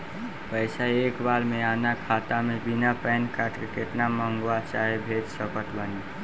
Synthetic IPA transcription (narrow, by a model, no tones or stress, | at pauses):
pəjsaekbalmeanakʰat̪amebinapɛjnkaʈkekeʈnaməŋɡwat͡ʃaɦebʱet̪səkət̪bəni